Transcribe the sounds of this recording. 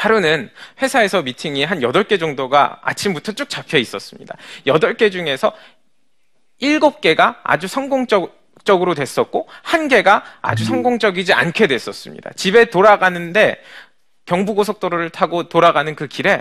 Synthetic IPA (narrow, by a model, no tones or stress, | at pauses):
paɾonɯnɸwe̞sʰae̞sʰʌmitʰiŋiɦanjʌdʌɭk͈e̞d͡ʑʌŋdoɡa̰a̰t͡ɕʰimbutʰʌt͡ɕ͈uk̚t͡ɕ͈apʰjeis͈ʌs͈ɯmɲḭda̰jʌdʌɭk͈e̞d͡ʑuŋe̞sʰʌ | iɭɡop̚k͈e̞ɡaa̰d͡ʑusʰʌŋɡoŋt͡ɕ͈ʌ | t͡ɕ͈ʌɡɯɾodwe̞s͈ʌt̚k͈ohanɡe̞ɡaa̰d͡ʑusʰʌŋɡoŋt͡ɕ͈ʌɡid͡ʑia̰nkʰe̞dwe̞s͈ʌs͈ɯmɲḭd̥a̰t͡ɕibe̞toɾaɡanɯnde̞ | kjʌŋbuɡosʰʌk̚t͈oɾoɾɯɭtʰaɡotoɾaɡanɯnkɯkiɾe̞